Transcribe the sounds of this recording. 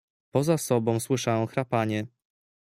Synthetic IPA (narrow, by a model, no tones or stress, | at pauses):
pɔzasɔbɔ̃w̃swɘʂajɔ̃w̃xɾapaɲɛ